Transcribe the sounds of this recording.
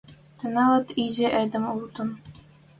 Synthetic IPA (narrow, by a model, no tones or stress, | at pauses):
t̪ɤ̆nɑlɤ̆t̪id͡ʑɘ̆ʔæd̪ɘ̆mulˠt̪ɤ̆n